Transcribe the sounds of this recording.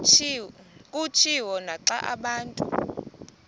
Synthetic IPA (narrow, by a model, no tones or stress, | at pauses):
kʼut͡ʃʰiwɔnaǁaʔaɓaːntʼṵ